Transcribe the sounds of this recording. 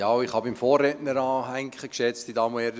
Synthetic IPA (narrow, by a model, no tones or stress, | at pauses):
jɑːɪχhɑbɪmfoːrːɛtnəɾɑːɦæŋkχəkʃɛt͡stdidɑːmoɛɾd